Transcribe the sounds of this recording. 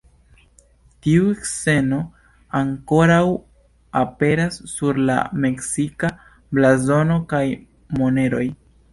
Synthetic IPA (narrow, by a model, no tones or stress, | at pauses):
tiueksse̞no̞ | aŋko̞ɾaw | ape̞ɾasːuɾla̰me̞ksika | blazo̞no̞kaj | mo̞ne̞ɾo̞j